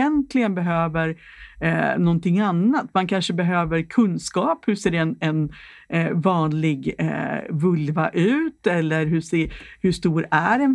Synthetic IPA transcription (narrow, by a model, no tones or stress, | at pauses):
ɛnt̪lɪɡənbɛɦøːvəɾ | nɔnt̪ʰɪŋːanːat̪mankʰanʂəbɛɦøːvəɾkʰɵnːskɑːphɵʂeːɖɛɛnɛn | vɑːnlɪɡ̰ | vɵlvaʔʉ̟ːt̪ɛlːəɾɦɵseːhɵʂt̪uːɾæɾɛn